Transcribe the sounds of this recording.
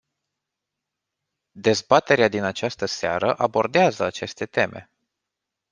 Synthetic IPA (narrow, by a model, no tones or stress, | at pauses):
d̪e̞zbat̪e̞ɾead̪inat͡ʃast̪əsea̰ɾəʔabo̞rd̪eazəat͡ʃe̞st̪e̞t̪e̞mʔe̞̰